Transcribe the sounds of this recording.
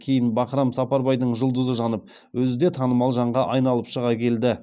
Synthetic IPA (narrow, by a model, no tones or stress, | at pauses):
kʲʰe̞jɪnbɑqɾɑmsɑpɑɾbɑjd̪əɴʒʊlˠd̪əzəʒɑnəp̚ | wɵzɪd̪e̞t̪ʰɑnəmɑlˠʒɑɴʁɑʔɑjn̪ɑlˠəpʃəʁɑkʲʰe̞ld̪ɪ